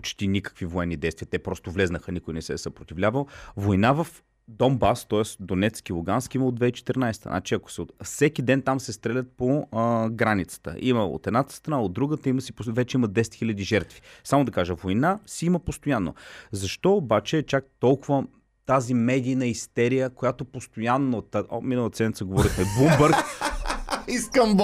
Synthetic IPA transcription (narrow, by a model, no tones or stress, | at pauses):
pot͡ʃt̪inikə̥kvivoɛnːid̪ɛjst̪viːət̪ɛpɾɔst̪ovlʲɛznəxənikojnɛsɛ̰səpɾot̪ivlʲavəlˠvojnavəf | d̪ɔmbast̪ɔɛsd̪onɛt̪skilˠuɡanskiməod̪vɛit͡ʃɛ̥t̪ɛɾnajst̪ə̰nʔa̰t͡ʃiɐko̥sɛot̪fsɛkid̪ɛnt̪amsɛst̪ɾɛlʲət̪̚poɡɾanit̪sə̥t̪ə̰ʔiməo̰t̪ɛd̪nat̪ə̥st̪ɾɐnaod̪ːɾuɡət̪əiməsipovɛt͡ʃɛiməd̪ɛsɛ̥t̪xilʲəd̪iʒɛɾt̪vi̥samod̪ɐkaʒəvojnasiiməpost̪ojanːo̰zɐʃt̪ɔːbat͡ʃɛːt͡ʃak̚t̪ɔlˠkʊvə | t̪azimɛd̪ijnəist̪ɛɾijəkojat̪opost̪ojanːot̪minəlˠət̪ə̥sɛd̪nʲit̪səɡovɔɾixmɛbumbəɾk | iskəmb